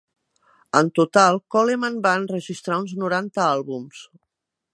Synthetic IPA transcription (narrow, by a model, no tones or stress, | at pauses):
ənt̪ut̪alˠkɔlemanbaənrəʒist̪ɾaunznuɾant̪əalˠβums